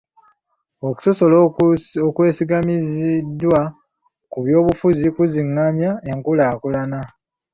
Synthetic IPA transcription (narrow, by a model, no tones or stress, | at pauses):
o̞ku̥soso̞lokwe̞ːsiɡamizidːwa | kuβjo̞ːβufuzikuziŋːamjaeŋkulaːkulana